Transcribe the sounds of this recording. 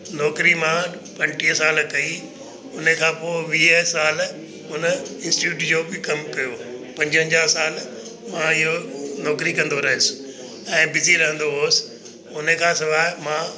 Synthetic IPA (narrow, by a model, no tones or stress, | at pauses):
nɔːkɾimã | pɐ̃ɲʈiɦəsaːlkɐi | ʊnəkʰãːpoːʋiːɦəsaːl | ʊnɪ̃nsʈɪʈuːʈ̬d͡ʑoːbɪkɐmkɐjopɐ̃ɲd͡ʑɦə̃ɲd͡ʑaːɦsaːl | mãɪɦonɔːkɾikɐ̃nd̪oɾɐɦɪ̃sɪ̥ | ɛ̃ːbɪziɾɐɦə̃nd̪oɦoːsɪ̥ | ʊnə̆kʰãːsɪʋaːɦmã